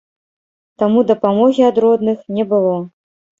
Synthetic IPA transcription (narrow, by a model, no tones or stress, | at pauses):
t̪amud̪ɐpamɔɣʲiad̪ɾɔd̪nɨxnʲɛbɨlˠɔ